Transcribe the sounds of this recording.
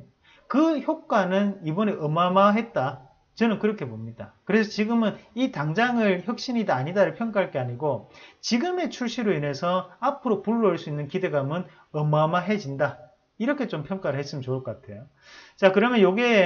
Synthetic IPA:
kɯçok̚k͈wanɯnibʌneʔʌmamaɦe̞t̚t͈a | t͡ɕʌnɯnkɯɾʌkʰe̞pomɲidakɯɾe̞sʰʌt͡ɕiɡɯmɯnitaŋd͡ʑaŋɯɭçjʌk̚ɕ͈iɲidaaɲidaɾɯpʰjʌŋk͈aɦaɭk͈e̞aɲiɡot͡ɕiɡɯme̞t͡ɕʰuɭɕ͈iɾoine̞sʰʌapʰɯɾopuɭːoiɭs͈uinːɯnkide̞ɡamɯn | ʌmamaɦe̞d͡ʑinda | iɾʌkʰe̞t͡ɕompʰjʌŋk͈aɾɯɭhe̞s͈ɯmjʌnt͡ɕoɭk͈ʌk͈atʰe̞jo | t͡ɕakɯɾʌmjʌnjoɡe

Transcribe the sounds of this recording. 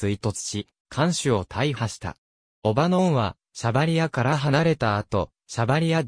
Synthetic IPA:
t͡sɨit̪o̞t͡sɨ̥ɕi | kʰãɰ̃ɕɨo̞t̪ʰaihaɕi̥t̪a̰ | o̞banõ̞ɰ̃βa | ɕabaɾʲijakaɾaɦanaɾe̞t̪aːt̪o̞ | ɕabaɾʲija

